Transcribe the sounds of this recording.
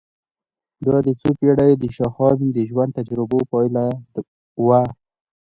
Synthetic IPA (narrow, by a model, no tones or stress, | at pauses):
d̪ɑd̪ət͡sopeɽawed̪əʃɑxɑnd̪əʒwand̪̚t̪ad͡ʒɾɪbopɑjla | wa